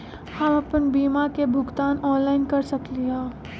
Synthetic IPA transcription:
hɐmɐpənbiːmakebʱʊɡt̪aːnɔːnlaːɪnkɐɾsɐkliɦãː

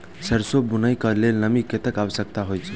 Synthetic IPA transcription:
səɾsobunəjkəlelnəmiket̪ekaʋəsək̚t̪aɦojt͡ʃʰ

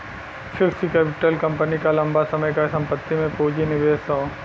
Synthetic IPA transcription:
fɪksikɛːpɪʈəlkɐ̃mpənikalɐ̃mbasɐməjkasɐ̃mpət̪ːimẽpoːd͡ʒinɪʋeːsoː

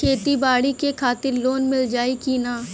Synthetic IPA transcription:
eːt̪ibaːɽikekʰaːt̪ɪɾloːnmɪld͡ʒaːikiːnaː

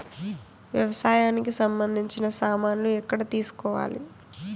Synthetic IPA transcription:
ʋjɐʋɐsaːjaːnikisɐmbɐnd̪ʱiɲt͡ʃinɐsaːmaːnluɛkːɐɽɐt̪iːsu̥kɔːʋa̰ːlḭ

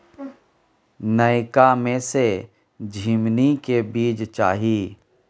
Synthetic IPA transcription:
nəɪkamẽse | d͡ʒʱiːmnikebiːd͡ʒt͡ʃa̰ːɦiː

